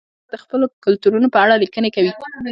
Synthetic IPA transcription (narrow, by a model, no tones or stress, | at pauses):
d̪əxpəlokʊlt̪uɾunopəaɽalikənekawi